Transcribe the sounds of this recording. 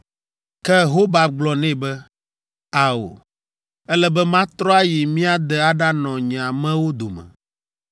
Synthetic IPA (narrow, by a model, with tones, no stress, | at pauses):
kɛ˦ɦo˦ba˨ɡ͡blɔ˨nɛ̃˦˨bɛ˦ | a˨o̰˨ | ɛ˦lɛ˦bɛ˦mã˦t̪ɾɔ˦a˦ji˨mĩ˦a˦d̪ɛ˨a˦ɖa˦nɔ̃˨ɲ̃˨a˨mɛ̃˦wo˦d̪o˨mɛ̰̃˨